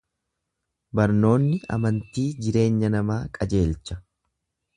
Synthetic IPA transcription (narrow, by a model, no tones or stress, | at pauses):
bɐɾno̞ːnːɪɐ̰mɐnt̪iːd͡ʒɪɾe̞ːɲːɐnɐmaːkʼɐd͡ʒe̞ːlt͡ʃːɐ